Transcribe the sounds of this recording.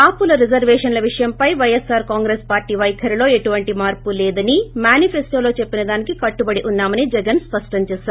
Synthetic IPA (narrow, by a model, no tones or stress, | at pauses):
kaːpːulɐɾid͡ʒɐɾʋɛːʂɐnlɐʋiʂɐjɐmpɐjʋɐjesaːɾkaːŋɡɾeːspaːɾʈiːʋɐjkʰɐɾilo̞ːe̞ʈuʋɐɳʈimaːɾpulɛːd̪ɐnimjaːnipʰesʈoːlo̞ːt͡ʃe̞pːinɐd̪aːnikikɐʈːubɐɽiʔunːaːmɐnid͡ʒɛɡɐnspɐʂʈɐɲt͡ʃɛːsːɾ